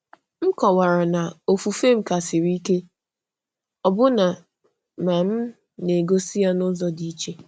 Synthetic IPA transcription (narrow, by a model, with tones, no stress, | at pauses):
m̩˦kɔ˨wa˨ɾa˨na˨o˨fu˨fe˦m̩˦ka˨sɪ˨ɾi˦ke˦ | ɔ˨bʊ˦na˨ | ma˨m̩˦ | ne˨ɡo˦si˦ja˦nʊ˦zɔ˦di˦i˦t͡ʃe˦